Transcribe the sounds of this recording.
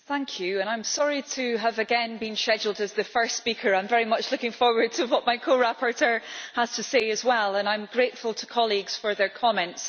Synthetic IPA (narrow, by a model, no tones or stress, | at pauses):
θæ̃ŋkʰjʉə̃ñãɪ̃msɔɹitʰəəvəɡɛ̃nbĩnʃɛd͡ʒl̩ˠdəzðəfɜ˞stspikʰə˞ãɪ̃ɱvɛɹimʌt͡ʃlˠʊkɪ̃ŋfɔɹwə˞d̚tʰəwɔʔmaɪkʰoɹapʰə˞tʰɜ˞əz̥tʰəseɨzwɛlˠə̃nãɪ̃mɡɹeʔfəlˠtʰə̥kʰɔlˠiɡz̥fə˞ðə˞kʰɔmɛ̃nts